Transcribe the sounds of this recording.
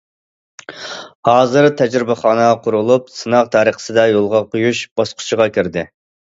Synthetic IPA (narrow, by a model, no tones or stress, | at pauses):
hɑːzɨɾt̪ʰɛd͡ʒɾɪbæχɑːnɨqʰʊɾulˠup̚sɨnɑʁt̪ʰɑːɾəχə̥sɨd̪ɑjolˠʁɑqʰujuʃb̥ɑsqʰʊ̥t͡ʃʰiʁɑkʲiɾd̪ɪ